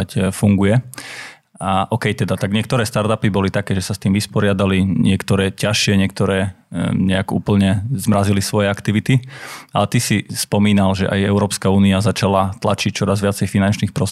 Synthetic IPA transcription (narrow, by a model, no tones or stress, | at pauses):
afuŋɡujɛ | aʔɔkɛjt̪ɛd̪at̪aɡɲɪɛk̚t̪ɔɾɛːst̪aɾt̪apibɔlit̪akɛːʒɛsast̪iːmʋispɔɾɪad̪aliɲɪɛkt̪ɔɾɛːcaʃɪɛɲɪɛk̚t̪ɔɾɛːɲɛaɡṵːpl̩ɲɛzmɾazilisʋɔjɛakt̪iʋit̪ialɛt̪isispɔmiːnalʒɛ̰ʔajɛʊɾɔːpskauːniazat͡ʃalat̪lat͡ʃic̚t͡ʃɔɾazʋɪat͡sɛjfinant͡ʃniːxpɾɔ